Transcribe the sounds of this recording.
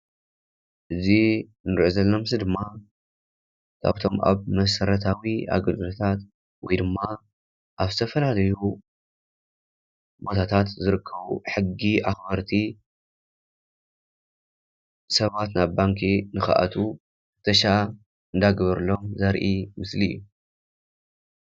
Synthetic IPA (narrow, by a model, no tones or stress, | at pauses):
ʔɨzi | nɨɾʔuzɐlːomɨsɨd̪ɨmːa | kʰa̰βt̪ʰo̞ma̰βmɐsɐɾɐt̪ʰawia̰ɡɐd̪ɨlot̪ʰat̪ | wɔjd̪ɨmːa | ʔaβzɨt̪ʰɐfɐlalɐju | bo̞t̪ʰat̪ʰat̪zɨɾɨkʰːɐβuħɨɡːiaxbɐɾt̪ʰi | sɐβat̪naβːaŋkʰinɨxa̰ʔa̰t̪ʰu | ɨt̪ʰɐʃa | ɨnd̪aɡβɐɾɨlːomzɐɾʔimɨslijːu